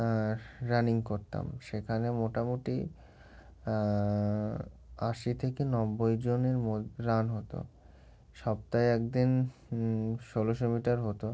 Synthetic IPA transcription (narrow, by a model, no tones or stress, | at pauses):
ɾaniŋkoɾt̪a̰mʃekʰanemoʈamoʈi | aʃit̪ʰekenɔbːojd͡ʑoneɾmoɾanɦot̪o̰ | ʃɔb̚t̪ajɛk̚d̪in | ʃoloʃomiʈaɾɦot̪o